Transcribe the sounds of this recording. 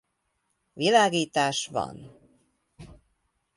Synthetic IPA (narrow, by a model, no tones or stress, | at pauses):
vilaːɡiːt̪aːʃvɒ̰n